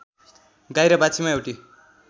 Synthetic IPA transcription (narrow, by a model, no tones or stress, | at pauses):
ɡajɾʌbat͡sʰimaewʈi